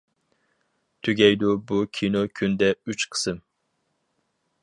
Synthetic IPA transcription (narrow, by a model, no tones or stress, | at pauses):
t̪ʰyɡʲɛjd̪ubukʲʰinokʲʰynd̪ɛyt͡ʃqʰə̥sɨm